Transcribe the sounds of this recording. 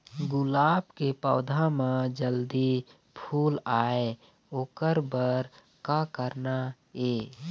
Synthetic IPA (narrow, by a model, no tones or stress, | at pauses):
ɡʊlaːbkepɔːd̪ʱamãd͡ʒəld̪i | pʰuːlaːe | oːkəɾbəɾ | kakəɾna | eː